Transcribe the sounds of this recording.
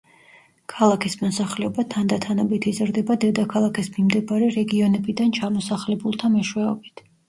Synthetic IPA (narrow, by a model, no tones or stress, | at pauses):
kʰalˠakʰismɔsaχlɛɔbat̪ʰand̪at̪ʰanɔbit̪ʰizɾd̪ɛbad̪ɛd̪akʰalˠakismimd̪ɛbaɾɛɾɛɡiɔnɛbid̪ant͡ʃʰamɔsaχlɛbulˠt̪ʰamɛʃwɛɔbit̪ʰ